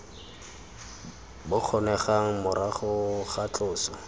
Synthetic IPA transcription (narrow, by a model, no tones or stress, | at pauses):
bʊk͡xʰɔnɛχaŋ̩mʊɾaχʊχat͡ɬʼʊːsɔ